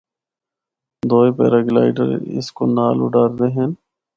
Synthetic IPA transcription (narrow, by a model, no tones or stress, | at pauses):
d̪oːepḛːɾaːɡla̰ːɪɖə̰ɾɪ̰sko̰naːlʊ̰ɖaːɾd̪eːɦɛn